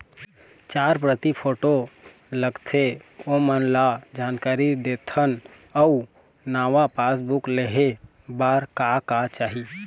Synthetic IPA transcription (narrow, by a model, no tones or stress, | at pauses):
t͡ʃaɾpɾət̪ipʰoʈo | ləɡt̪ʰeomənlad͡ʒankaɾid̪et̪ʰən | ɔu | naːʋapasbukleɦe | baɾkakat͡ʃaːɦi